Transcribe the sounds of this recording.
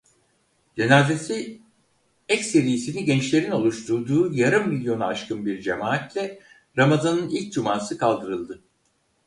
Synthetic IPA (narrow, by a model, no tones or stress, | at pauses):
d͡ʒe̞naːze̞si | ɛcse̞ɾijisinɛɟɛnt͡ʃlʲe̞ɾino̞lˠuʃt̪ʰuɾd̪uːjaɾɯmːilʲjo̞naːʃkʰɯnbiɾd͡ʒe̞maːat̪lʲɛ | ɾamazanɯnilʲc̚d͡ʒumaːsɯkʰalˠd̪ɯɾɯlˠd̪ɯ